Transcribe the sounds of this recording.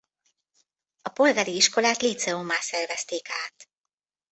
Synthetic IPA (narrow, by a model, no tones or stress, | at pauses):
ɒpo̞lɡaːɾiiʃko̞laːt̪lit̪sɛomaːsɛrvɛst̪eːkaːt̪